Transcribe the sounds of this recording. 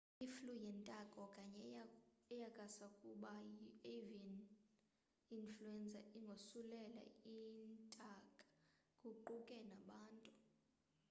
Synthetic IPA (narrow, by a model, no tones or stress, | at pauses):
iflujɛntʼakʼɔkʼaɲɛɛjakʼasakʼuɓaevin | influɛnt͡sʼaiŋɡʱosulɛla̰intʼakʼḁ | kʼuǃukʼɛnaɓaːntʼu